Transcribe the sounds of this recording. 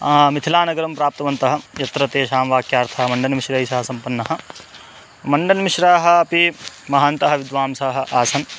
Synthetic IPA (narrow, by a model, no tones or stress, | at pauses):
mit̪ʰilaːnɐɡɐɾɐmpɾaːp̚t̪ɐʋɐnt̪ɐɦɐ̆jɐt̪ɾɐt̪eːʃaːmʋaːkjaːɾt̪ʰɐɦmɐɳɖɐnɐmiʃɾɐisɐɦɐsɐmpɐnːɐɦɐ̆ | mɐɳɖɐnmiʃɾaːɦɐ̆ɐpimɐɦaːnt̪ɐɦɐ̆ʋɪd̪ʋaːmsɐɦɐ̆ʔaːsɐn